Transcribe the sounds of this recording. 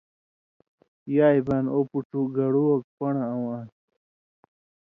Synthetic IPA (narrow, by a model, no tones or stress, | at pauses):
jaːjbanopuʈuɡɐɽuwok̚pɐɳaːwan